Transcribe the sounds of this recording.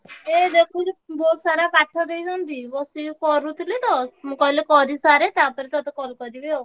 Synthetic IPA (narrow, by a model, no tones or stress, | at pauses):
ed̪ekʰulbɔːt̪saɾapaʈʰːɔd̪eisɔnd̪ibɔsikɔɾut̪lit̪ɔsmũkɔlekɔɾisaɾet̪apəɾit̪ɔt̪ɔkɔlkɔɾibeo